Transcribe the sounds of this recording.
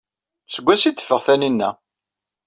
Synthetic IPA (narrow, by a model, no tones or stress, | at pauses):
səɡʷːæsit̪ːə̥fːəʁθæninːæ